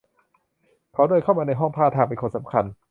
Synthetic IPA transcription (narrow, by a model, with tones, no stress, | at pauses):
kʰa˦˥wdoː˧jkʰa˥˩wmaː˧na˧jɦɔ˥˩ŋpʰaː˥˩t̪ʰaː˧pe˧nkʰo˧nsa˩˦mkʰa˧n